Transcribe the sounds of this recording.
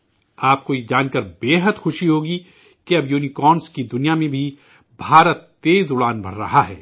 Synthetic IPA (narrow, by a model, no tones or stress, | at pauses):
aːp̚kojed͡ʒaːnkɐɾbeːɦəd̪xʊʃiɦoːɡi | keɐbjuːnikɔːnskid̪ʊnijamẽbʱi | bʱaːɾət̪ːeːzʊɽaːnbʱɐ̰ɽɾɐ̰ɦaɦɛː